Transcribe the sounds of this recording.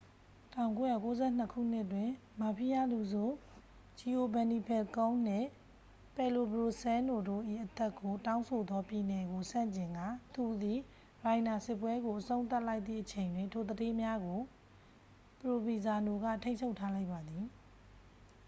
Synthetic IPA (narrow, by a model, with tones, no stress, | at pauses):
tʰã˦˨ʊ̃ŋko˨˦jä̰˦˨ko˦zɛ˦˨n̥ə˦kʰṵ˦˨n̥ɪ˦ʔtwɪ̃˨ | ma˨pʰi˦˨ja˦˨lu˨zu˦˨ | d͡ʑi˨ʔo˨bɛ̃˨ni˨pʰɛ˨lkõ˦n̥ɪ̰̃˦˨ | pɛ˨lo˨bɹo˨sɛ̃˦no˨do̰˦˨ʔḭ˦˨ʔət̪ɛ˦kːo˨tã˦ʊ̃nsʰo˨d̪ɔ˦pji˨nɛ˨ɡo˨sã̰˦˨ɲt͡ɕɪ̃˨ŋɡä̰˦˨t̪u˨d̪i˨ | ɹã˨ɪ̃na˨sɪ˦˨pːwɛ˦ɡo˨ʔəsõ˦ʊ̃nt̪a˦ʔla˦ɪt̪ðḭ˦˨ʔət͡ɕʰẽ˨ɪ̃ndwɪ̃˨ntʰo˨d̪əde˦mja˦ɡo˨ | pəɹo˨bi˨za˨no˨ɡä̰˦˨tʰẽ˦ɲʰt͡ʃʰo˦ʊtʰːa˦la˦ɪʔpːa˨d̪ði˨